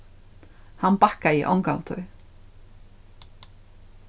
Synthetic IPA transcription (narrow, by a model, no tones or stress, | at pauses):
hanbakaiʔɔŋkant̪ʰɔ̰ʏ